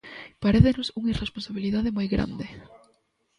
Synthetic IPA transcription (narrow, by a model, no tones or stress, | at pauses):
paɾeθenʊsuŋɐiresponsaβiliðaðɪmojɣɾa̰nd̪ɪ